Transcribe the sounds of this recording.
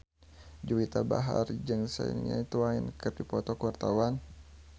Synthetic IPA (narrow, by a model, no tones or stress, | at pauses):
d͡ʒuwit̪aba̰ɦa̰rd͡ʒɨŋsa̰ḭnɲa̰it̪uainkɨrdipɔt̪ɔkwart̪awan